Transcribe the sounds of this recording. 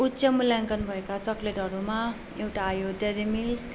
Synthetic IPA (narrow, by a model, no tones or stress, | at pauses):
utsʌmuljaŋkʌnbʱʌekat͡sʌkleʈʌɾuma | ewʈaːjoʈeɾemis